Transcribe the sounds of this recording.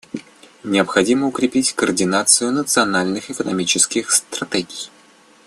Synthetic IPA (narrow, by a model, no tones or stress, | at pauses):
nʲɪəpxɐdʲiməʊkɾʲɪpʲitʲkəːrdʲɪnat̪sɨjʊnət̪sɨɐnalʲnɨxɪkənɐmʲit͡ɕɪskʲɪxst̪ɾrɐt̪ɛɡʲɪj